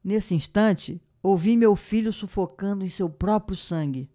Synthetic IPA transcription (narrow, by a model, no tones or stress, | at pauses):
nesɪĩʃt̪ɐ̃t͡ʃɪ | owvimewfiʎʊsufokɐ̃nd̪ʊẽj̃sewpɾɔpɾjʊsɐ̃ɡɪ